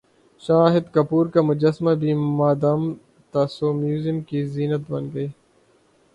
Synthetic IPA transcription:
ʃaːɦɪd̪kɐpuːɾkamʊd͡ʒɐsmabʱiːmaːd̪aːm | t̪asoːmjuːzimkiziːnət̪bɐnɡɐiː

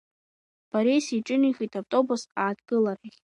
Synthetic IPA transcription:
b̥aɾejsiʈ͡ʂʼɨniχitʰavtʼo̞busaːdɡɨlaɾiχʲ

